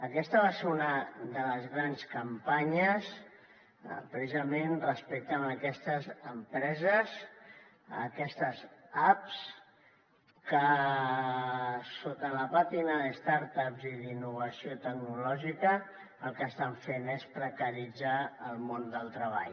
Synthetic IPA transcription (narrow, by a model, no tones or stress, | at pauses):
əkɛst̪əβaseɾunəðələzɣɾanskəmpaɲəs | pɾəsizəmenrəspek̚t̪əməkɛst̪əzəmpɾɛzəs | ə̰kɛst̪əzaps | kə | sot̪ələpat̪inəðəst̪aɾt̪apziðinːuβ̞əsiot̪əɡnulɔʒikəː | lˠkəːst̪aɱfenespɾəkəɾid͡zaəlˠmond̪əlˠt̪ɾəβ̞a̰ʎ